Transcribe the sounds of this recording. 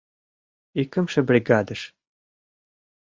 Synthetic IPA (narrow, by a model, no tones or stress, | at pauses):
ikə̆mʃɘ̆bɾʲiɡɑd̪əʃ